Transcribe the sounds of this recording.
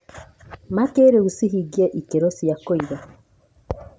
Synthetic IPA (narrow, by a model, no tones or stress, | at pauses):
makeɾeusiɦiɡieʔikeɾosijakoiɾa